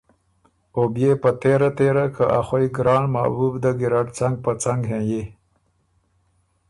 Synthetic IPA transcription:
objepət̪eɾat̪eɾakʰaʔaxojɡɾɑːɳma̰bubd̪əɡɪɾaʈt͡saŋɡ̚pət͡saŋɡɦẽje

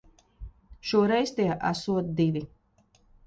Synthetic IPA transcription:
ʃuɔɾɛjst̪iːʔasuɔt̪̚d̪ivʲi

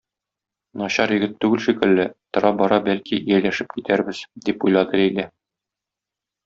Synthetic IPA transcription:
nɒɕɑɾjɘ̆ɡɘt̪ːʉɡɘlʃikɘ̆lːɘt̪ŏɾɑbɒɾɑbælkiʔijælæʃɘp̚kit̪æɾbɘzd̪ipujlˠɑd̪ɤæjlæ

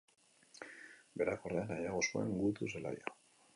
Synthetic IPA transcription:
beɾakoreanajaɣoskoḛŋɡut̪usela̰ja

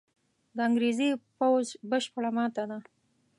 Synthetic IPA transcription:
d̪əaŋɡɾezepawzbəʃpəɽamɑt̪ad̪a

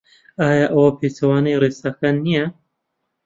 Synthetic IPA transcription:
aːjaːʔɐwɐpʰeːt͡sɐwaːnɐjreːsakaːnːijɛ

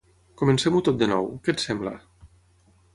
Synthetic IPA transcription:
kumənsɛmut̪ot̪̚d̪ənɔ̰wkɛt̪sɛmbla̰

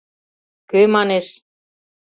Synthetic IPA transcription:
kømɑneʃ

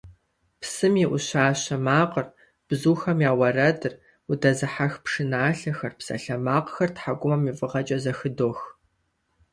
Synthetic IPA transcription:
psɨmiːʔʊɕaːɕɐmaːqər | b̥zuːxɐmjaːwɐrɐdɨr | udɐzɨħaxpʂɨnaːɬɐxɐrpsɐ̰ɬɐmaːqxɐrtħaɡʷʊmɐmifɨʁɐt͡ʃʼɐzɐxɨdoːx

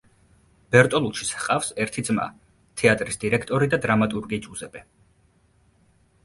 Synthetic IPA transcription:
b̥ɛɾt̪ʼɔlˠut͡ʃʰi̥sqʼafsɛɾt̪ʰid̪zma̰ | t̪ʰɛat̪ʼɾisd̪iɾɛkʰt̪ʼɔɾid̪ad̪ɾamat̪ʼuɾɡid͡ʒʼuzɛb̥ɛ

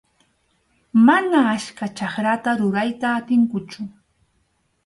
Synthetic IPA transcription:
manaːʃkat͡ʃaχɾat̪aɾʊɾajt̪aːt̪ɪŋkʊt͡ʃʊ

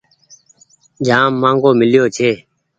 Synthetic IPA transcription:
d͡ʒʱãːmːãːŋɡoːmɪljoːt͡ʃʰeː

